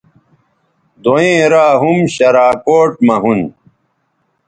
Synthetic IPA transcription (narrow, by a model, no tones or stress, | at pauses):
d̪oẽːɾaːɦumɕɐɾaːkoːʈmɐɦun